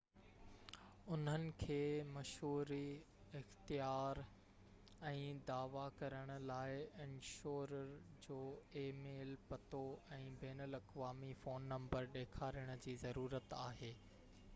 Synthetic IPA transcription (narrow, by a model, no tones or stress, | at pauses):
ʊn̤ənɪ̆kʰeːmɐʃɦuːɾi | ɪxt̪ijaːɾ | ɛ̃ːd̪aːʋakɐɾəɽ̃ʊ̆laːɪɪ̃nʃoːɾəɾd͡ʑoːeːmeːlpɐt̪oɛ̃ːbeːnəlɐkʋaːmifoːnːɐ̃mbəɾɗeːkʰaːɾiəɽ̃ʊ̆d͡ʑiːzɐɾuːɾət̪aːɦeː